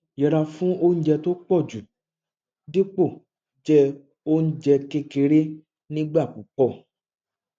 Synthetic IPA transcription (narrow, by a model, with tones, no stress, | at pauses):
jɛ˨ɾa˧fũ˦o˦n̩˦d͡ʒɛ˧to˦k͡pɔ˦˨d͡ʒu˨ | di˦k͡po˦˨ | d͡ʒɛ˦˧ | o˦n̩˦d͡ʒɛ˧ke˧ke˧ɾe˦ | nĩ˦ɡ͡ba˦˨k͡pu˨˦k͡pɔ˦˨